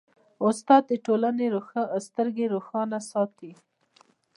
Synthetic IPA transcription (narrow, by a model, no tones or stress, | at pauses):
ʊst̪ɑd̪̚d̪əʈolaneɾoxast̪əɾɡeɾoxɑnasɑt̪i